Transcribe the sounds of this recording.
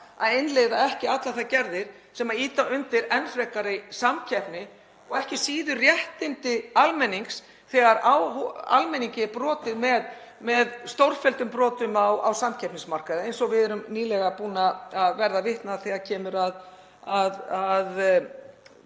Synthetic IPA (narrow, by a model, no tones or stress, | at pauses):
a̰ðejnlejðaɛhcɪat̪laθacɛɾðɪɾ̥ | sɛmaiːt̪aʏnt̪ɪɾɛnfɾɛkaɾɪsamcʰɛpnɪ | ɔɣɛhcɪsiːðʏrjɛht̪ɪnt̪ɪalmɛnːiŋks | θɛɣaɾawɦa̰lmɛniɲcɪpɾɔːt̪ɪðmɛð | mɛðst̪owɾ̥fɛlt̪ʏmpɾɔːt̪ʏmawa̰wsamcʰɛpnɪsmar̥kaðɪejnsɔɣvɪðɛɾʏmniːlɛɣapuːnaːðvɛɾðavɪht̪naθɛɣaɾcʰɛːmʏɾað | aðað